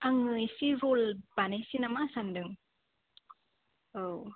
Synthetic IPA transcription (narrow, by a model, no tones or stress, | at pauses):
aŋɯjsiɾolb̥anesinamasandɯŋ | ow